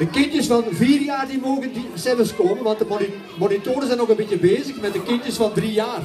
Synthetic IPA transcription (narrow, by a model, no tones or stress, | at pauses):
d̥əkɪntjəsfɑnviːrjaːrdimoːɣəndisɛvənskoːmənʋɑntdəmoni | monitoːɾəzɛnɔɣənbitjəbeːzəxmɛt̚dəkɪntjəsfɑndrijaːr